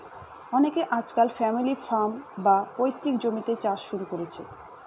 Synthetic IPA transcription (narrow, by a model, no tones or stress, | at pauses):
ɔnekeʔad͡ʑkalfɛmilifambapojt̪ːɾikd͡ʑomit̪et͡ɕaʃʃuɾukoɾet͡ɕʰḛ